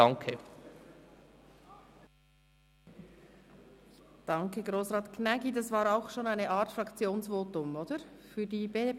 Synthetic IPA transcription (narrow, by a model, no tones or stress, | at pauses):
ɑŋkʰə | d̥ɑŋkəɡʁoːsʁɑːtkʰnɛɡidɑsvɑːɾaʊxʃoːnaɪnəʔaːtfrɑkt͡sjoːnsvoːtʊmoːd̥əfyːɐdiːbeːde